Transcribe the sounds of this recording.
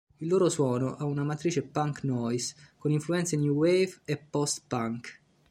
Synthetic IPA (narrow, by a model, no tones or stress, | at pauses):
ilːoːɾoswɔːnoʔaunamat̪ɾiːt͡ʃepaŋknɔjskoniɱfluɛnt̪sinjuwejvepːɔst̪paŋk